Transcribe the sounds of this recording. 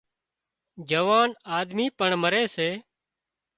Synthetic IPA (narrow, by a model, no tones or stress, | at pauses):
d͡ʒəʋaːnaːd̪miːpəɳməɾeːseː